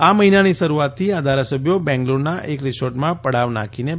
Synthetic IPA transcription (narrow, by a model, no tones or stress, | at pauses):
aməɦinanisəɾuat̪ʰːiad̪ʱaɾasəbʱjobɛ̃ŋɡloɾnaʔekɾisoɾʈmãpəɽ̤aʋna̰kine